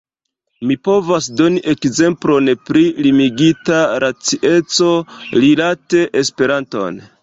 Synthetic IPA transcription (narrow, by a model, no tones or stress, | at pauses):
mipo̞vasdo̞niʔe̞kze̞mplo̞npɾilimiɡitaɾat͡siʔe̞t͡so̞lilate̞ʔespe̞ɾanto̞̰n